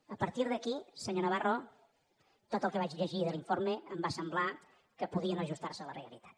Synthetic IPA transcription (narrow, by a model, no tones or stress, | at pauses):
əpəɾt̪iɾðəkisəɲonəβaro | t̪ot̪əlˠkəβat͡ʃʎəʒiðəliɱfoɾmeəmbasəmbla | kəpuðiənoʒust̪aɾsələreəlḭt̪ḁt̪